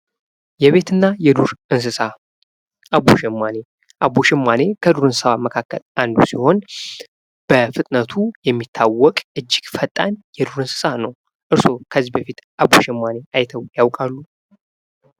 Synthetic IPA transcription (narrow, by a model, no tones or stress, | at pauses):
jɛβe̞t̪ɨnːajɛd̪uɾʔɨns̬ɨsa | ʔaβoʃɛmːane̞ | ʔabuʃɛmːane̞kʰəd̪uɾɨnsɨsaməkʰakːə̰lʔand̪ṵsiho̞n | b̥əfɨt̪ʼnət̪ʰujɛmːit̪ʰːawːɔkʼɨd͡ʒːɪɡ̥fət̪ʼːanjɛd̪uɾɨnsɨ̥sanəw | ʔɨɾso̞kʰəzːibəfit̪ʔaboʃɛmːane̞ʔajt̪ʰəwjawkʼalːu